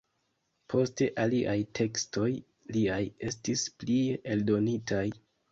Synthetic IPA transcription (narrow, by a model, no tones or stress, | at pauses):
pʰo̞ste̞ʔaliʔajtʰe̞ksto̞j | liaje̞stisplieldo̞nitʰaj